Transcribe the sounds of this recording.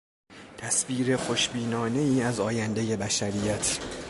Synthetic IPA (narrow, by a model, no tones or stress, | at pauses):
t̪ʰæsbiːɾe̞xo̞ʃbiːnɒːne̞iːæzɒːjænd̪e̞je̞bæʃæɾijæt̪ʰ